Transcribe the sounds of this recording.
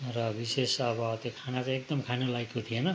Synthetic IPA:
rʌbisesʌbʌt̪jokʰanat͡sãek̚d̪ʌmkʰanolajkot̪ʰienʌ

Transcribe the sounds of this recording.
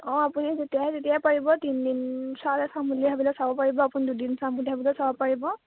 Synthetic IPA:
ɔ̃apunizetijaɦɛzetijapaɹibɔtindinsalɛsamuliɦabilɛsabɔpaɹibɔapunidudinsammuliɦabilɛsabɔpaɹibɔ

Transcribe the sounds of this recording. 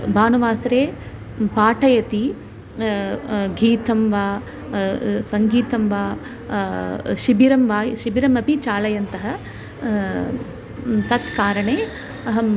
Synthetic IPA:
baːnuʋaːsɐɾeː | paːʈʰɐjɐt̪i | ɡiːt̪ɐmʋaː | sɐŋɡiːt̪ɐmʋaː | ʃibiɾɐmʋaːjʃibiɾɐmɐpit͡ʃaːlɐjɐnt̪ɐɦɐ | t̪ɐt̪kaːɾɐɳeː | ɐɦɐ

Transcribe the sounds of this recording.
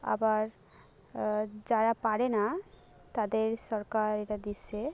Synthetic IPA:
a̰baɾ | d͡ʑaɾapaɾena | t̪ad̪eɾʃɔɾkaɾeɾad̪isʰe

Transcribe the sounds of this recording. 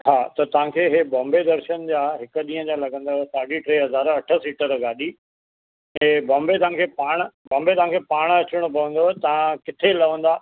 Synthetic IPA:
ɦaːt̪ɐt̪ɐʋ̤ãkʰeːɦebɔ̃ːmbed̪ɐɾʃənd͡ʑaːɦɪkʊ̆ɗĩːɦə̃d͡ʑalɐɡə̃nd̪aɦsaːɖiʈɾeːɦɐzaːɾɐʈʰə̆siːʈəɾɡaːɗi | ɛ̃ːbɔ̃ːmbet̪ɐʋ̤ãkʰeːpaːɽ̃ə̆bɔ̃ːmbet̪ɐɦãŋkʰeːpaːɽ̃ɐt͡ɕʊɽ̃ʊpɐʋə̃nd̪oɦɛt̪ɐãkɪt̪ʰelɐʋə̃n̆d̪aː

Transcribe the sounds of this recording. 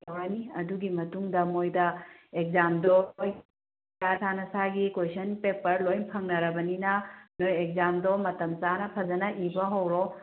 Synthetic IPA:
jawɾaniɐduɡimɐtuŋdɐmojdɐek̚zamdɔoj | jatʰanɐsaɡikojsʰɐnpepɐɾlojnpʰɐŋnɐɾɐbɐninɐnojek̚zamdɔmɐtɐmt͡ʃanɐpʰɐd͡ʒɐnɐʔibɐɦɐwɾo

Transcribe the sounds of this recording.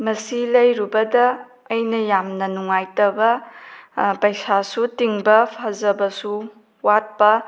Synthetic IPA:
mɐsilɐjɾubɐdɐː | jnɐjamnɐnuŋajtɐbɐ | pɐjsasutiŋbɐpʰazɐbɐsu | wat̚pɐ

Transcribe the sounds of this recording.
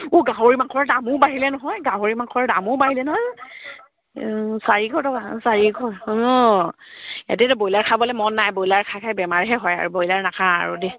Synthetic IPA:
uɡãɦoɹimakʰɔɹɛdamʊbaɦilɛnɔɦɔjɡãɦoɹimakʰɔɹɛdamʊbaɦilɛnɔɦɔj | saɹiɡʱɔɹtɔkasaɹiɡʱɔɹɔ | ḛtɛtɔbojlaɹkʰabɔlɛmɔnːajbojlaɹkʰakʰajbɛmaɹɦɛɦɔja̰ɹubojlaɹnakʰã̰ːɹṵdi

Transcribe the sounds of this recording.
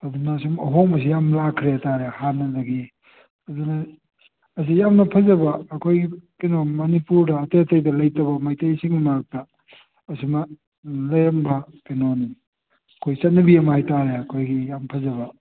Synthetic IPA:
ɐdunɐsimɐɦomɐs̬ijamlakʰɾeɐtaɾehanːɐdɐɡi | ɐdunɐː | s̬ijamnɐpʰɐzɐbɐːkʰojɡikinomɐnipuɾdɐːtetɐjdɐlɐjtɐβɐmajtɐjsiŋmak̚tɐː | simɐ | lɐjɐmbɐkinoni | ɐkʰojsɐt̚nɐbijɐmɐhajtaɾeɐkʰojɡijampʰɐzɐbɐ

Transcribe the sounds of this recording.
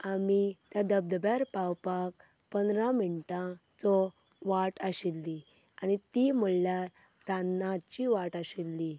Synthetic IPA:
amit̪jad̪əb̚d̪baɾpawpakpənd̪ɾãminʈãt͡sɔʋaʈaɕilːianit̪im̤uɭljat̪anːãt͡ɕiʋaʈaɕilːi

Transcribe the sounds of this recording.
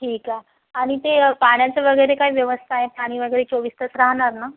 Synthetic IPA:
ʈʰiːka | aɽ̃it̪epaɽ̃jat͡səʋəɡəjɾekaɦiːʋjəʋəst̪ʰaɦepaɽ̃iːʋəɡəjɾet͡soʋiːst̪ət͡sɾaɦɳ̃aɾna

